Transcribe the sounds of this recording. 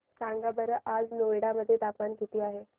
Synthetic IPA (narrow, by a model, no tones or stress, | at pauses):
kãŋɡabəɾəʔad͡znojɽaməd̪ʱːjet̪apmankit̪iːaɦe